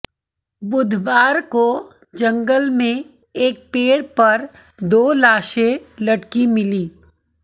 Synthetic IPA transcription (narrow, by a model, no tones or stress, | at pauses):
bʊd̪ʱbaːɾko | d͡ʒɐ̃ŋɡəlmẽ | eːk̚peːɽpɐɾ | d̪oːlaːʃẽlɐʈkimɪliː